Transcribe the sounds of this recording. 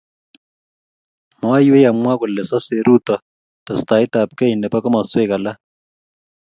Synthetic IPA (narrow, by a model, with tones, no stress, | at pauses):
ma˨˦iwe˦ja˨mwa˦kʊ˨lɛ˨sa˦se˨ɾu˦t̪a˨ | ta˨st̪aː˨i˦t̪a˨p̚ka˦i˨nɛ˨pa˦kɔ˦ma˨swe˦ka˨la˦